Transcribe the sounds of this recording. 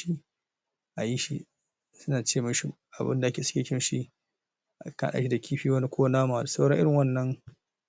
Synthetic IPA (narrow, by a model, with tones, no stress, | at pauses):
i˦ | ʔa˨ji˦ʃi˦ | sʊ˦naː˨t͡ʃeː˦mʊ˦ʃɪ˦ | ʔa˨bɪ̰˦nda˨˦kʲeː˨sɪ̥˦kʲeː˨kʲɪ˦nʃi˦˨ | ka̰ː˨ɗa̰ː˦ʃi˦da˨kʲʰiː˦ɸiː˦wɐ˦ni˦kʷoː˦naː˦maː˨da˨sa˦wɽɐ̰˦ŋʔɪ˦ɽɪ˨ŋwɐ˦nːɐ˦ŋ